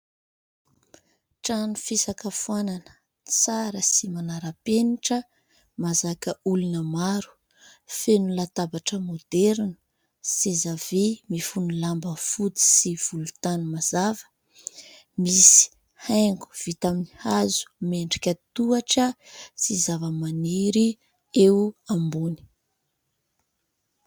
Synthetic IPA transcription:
ʈ͡ʂanufisakəfuananə̥ | t͡saɾəsimanaɾapeniʈ͡ʂə | mazakəulunəmaɾu̥ | fenulat̪abaʈ͡ʂəmod̪ɛɾnə̥ | sezavemifunilambəfut̪i̥siv̥ulut̪anumaz̥avə̥ | misi̥ | hajŋɡu̥v̥it̪aminihazu̥meɳɖ͡ʐikʲət̪uaʈ͡ʂəsizavəmaneɾi | eambuni̥

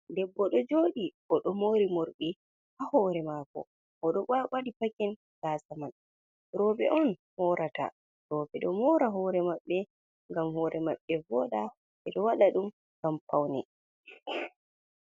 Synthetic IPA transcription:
dɛbːɔɗɔd͡ʒoːɗiʔɔɗɔmoɾimoɾɓi | hahɔɾɛmaːkɔ̰ | ʔɔɗɔaɓaɗipakɛn | ɡaːsaman | ɾɔːbɛ̰ʔɔnhɔɾʔata̰ | ɾɔːbɛɗɔmɔɾaɦɔːɾɛmaɓːɛ | ŋɡamhɔːɾɛmaɓːɛvɔːɗa | ɛɗɔwaɗaɗum | ɡampawnɛ̰

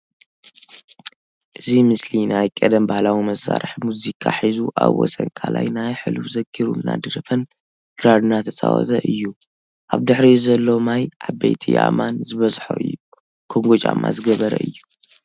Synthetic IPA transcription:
ʔɨzimɨslinajkʼɐd̪ɐmbahlawimɐsaɾħmuzikʰaħizuʔaβwɔ̰sɐnkʰalajnajħɨluβzɐɡiɾṵnːa̰d̪ɨɾɐfɐn | ɡ̥ɨɾad̪nat̪ʰɐsʼa̰wɔ̰t̪ʰɐʔɨjːu | ʔaβd̪ɨħɾizɐlːomajʔabḛjt̪ʰḭʔa̰manzɨβɐzħoɨ̰jːu | kʰoŋɡot͡ʃʼama̰zɨɡɐβɐɾɐ̰ɨjːu

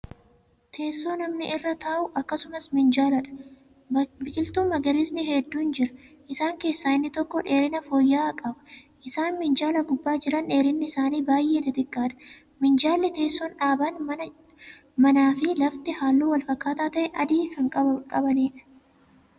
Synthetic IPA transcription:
t̪ʰe̞ːsːo̞ːnɐmnɪʔrːɐt̪ʰɐːʔʊʔɐkːɐsʊmɐsmɪnd͡ʒaːlɐᶑɐ̥ | bɪkʼɪlt̪uːɐɡɐɾɪsnɪɦɛd̪ːuːnd͡ʒɪɾɐ̥ʔɪsaːŋke̞ːsːaːɪnːɪt̪ɔkːɔᶑe̞ːɾɪnɐfoːjːaːkʼɐbɐ̥ʔɪsaːnmɪnd͡ʒaːlɐɡʊbːaːd͡ʒɪɾɐnᶑe̞ːɾɪnːɪɪsaːniːbaːjʔe̞ːt̪ɪt̪ɪkʼːaːᶑɐ̥ | mɪnd͡ʒaːlːɛt̪e̞ːsːɔːnᶑaːbanmɐ | mɐnaːfɪlɐft̪ɪhaːlːuːwɐlfɐkːaːt̪aːt̪ɐʔɛʔɐd̪iːkɐŋkʼɐkʼɐbɐniːᶑɐ̥

